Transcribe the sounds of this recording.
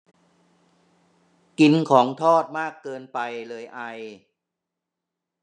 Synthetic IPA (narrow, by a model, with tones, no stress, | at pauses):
ki˧nkʰɔː˩˦ŋt̪ʰɔː˥˩t̪̚maː˥˩kːɤː˧npa˧jlɤː˧jʔa˧j